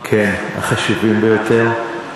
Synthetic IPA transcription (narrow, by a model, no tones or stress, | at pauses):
kʰena̰χaʃuvimbejot̪eʁ